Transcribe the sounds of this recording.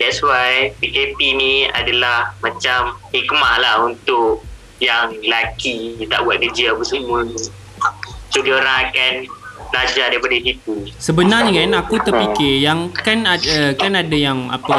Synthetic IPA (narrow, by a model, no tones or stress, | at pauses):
dɛtswajpikepinia̰dalahmãt͡ʃamhik̚maʔlahunt̪ʊk̚ | jaŋlakit̪a̰ʔbuaʔ̪̚kəd͡ʒəapəsəmu | sudioɾaŋakanblad͡ʒadaipadasip̪̚usəbənarɲakanakut̪ərpikɪjaŋkanadəkanadajaŋa̰pa